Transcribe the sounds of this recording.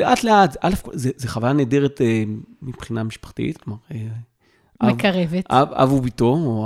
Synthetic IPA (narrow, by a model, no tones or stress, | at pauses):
leʔat̪leatzʔalefkozezeχavajaneːd̪eʁet̪emipχinamiʃpḁχt̪ḭt̪klomaʁe | ʔaevkɐʁevetʔaa̰vubit̪oo